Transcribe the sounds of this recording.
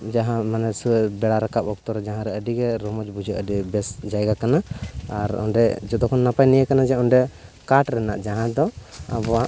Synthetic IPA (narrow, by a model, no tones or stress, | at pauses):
d͡ʒaɦãmanɛsuɛbɛɽaɾakap̚ɔk̚t̪ɔɾɛd͡ʒaɦãɾɛəɖiɡɛɾɔmɔd͡ʒbud͡ʒʱəʔəɖibɛsd͡ʒajɡakanaaɾɔ̰nɖɛd͡ʒɔd̪ɔkʰɔnːapajnijəkanad͡ʒɛɔɳɖɛkaʈɾɛna̰ʔd͡ʒaɦãd̪ɔa̰bɔwaʔ